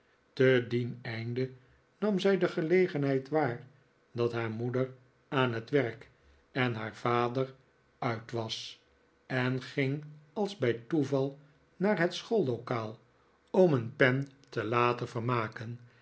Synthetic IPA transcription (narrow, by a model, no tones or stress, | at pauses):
tədinɛjndə | nɑmzɛjdəχəlejχənɦɛjtʋaːr | dɑtɦaːɹmudər | aːnɦətʋɛrk | ɛnɦaːɹvaːdər | œɥtʋɑs | ɛnχɪŋɑlˠzbɛjtuvɑlˠ | naːɹɦɛtsχolˠlokaːlˠ | ɔmənpɛntəlaːtənvərmaːkən